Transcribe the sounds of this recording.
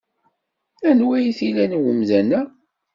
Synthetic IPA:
ænwæjθilænwəmðænæ

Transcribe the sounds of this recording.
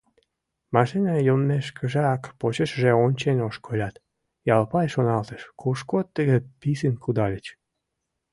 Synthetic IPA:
mɑʃinɑjomːeʃkʰəʒɑkpot͡ɕəʃʒeonʲt͡ɕenoʃkʰolʲɑt̪ | jɑlpɑjʃonɑlt̪əʃkuʃkot̪ːəɣepisənkud̪ɑlʲət͡ɕ

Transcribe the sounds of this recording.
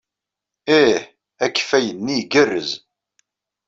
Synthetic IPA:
eħ | ækːfæjənːiɡərːəz

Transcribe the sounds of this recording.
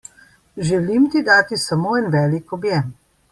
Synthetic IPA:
ʒɛlimt̪id̪aːt̪isɐmoːɛnʋɛːlikɔbjɛm

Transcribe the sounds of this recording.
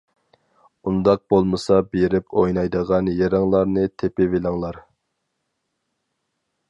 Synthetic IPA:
und̪ɑq̚b̥olˠmɨsɑbeɾɪpʰojnɑjd̪əʁɑnjeɾɑŋlˠɑɾnɨt̪ʰepɪvelɪŋlˠɑɾ

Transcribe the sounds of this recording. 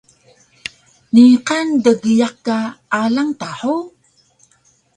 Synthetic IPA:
niqandəɡijakːaalaŋtaħu

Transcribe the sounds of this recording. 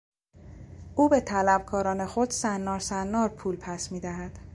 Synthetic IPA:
ʔuːbe̞t̪ʰælæb̥̚kʰɒːɾɒːne̞xo̞d̪̥sænːɒːɾsænːɒːɾpʰuːlpʰæsmiːd̪æɦæd̪̥

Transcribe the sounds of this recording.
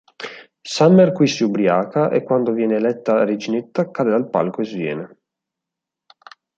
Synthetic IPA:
samːerkwisiubɾjaːkaʔḛkːwand̪ovjɛːneːlɛt̪ːared͡ʒinet̪ːakaːd̪ed̪alpa̰lkoezvjɛ̰ːne

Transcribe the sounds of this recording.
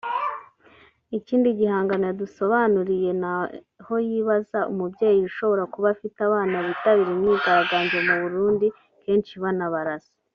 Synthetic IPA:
iciːndiɟihaːŋɡanojaduso̞βanuɾije̞na | ho̞jiβazaṵmubje̞ːjiuʃo̞βo̞ɾakuβafitaβaːnaβitaβiɾimŋiːɡaɾaɡaːɲɟe̞muβuɾuːndi | ke̞ːnʃiβanaβaɾasi̥

